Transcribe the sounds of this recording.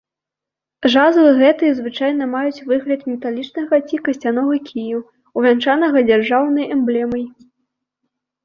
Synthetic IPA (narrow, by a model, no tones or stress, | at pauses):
ʐazvɨɣɛt̪ɨjɐzvɨt͡ʂajnɐmajut͡sʲvɨɣlʲɐt̪mʲɛt̪alʲit͡ʂnɐɣɐt͡sʲikɐsʲt͡sʲan̪ɔɣɐkʲʰiju | wvʲant͡ʂanɐɣɐd͡zʲarʐawnɐjɛmblʲɛmɐj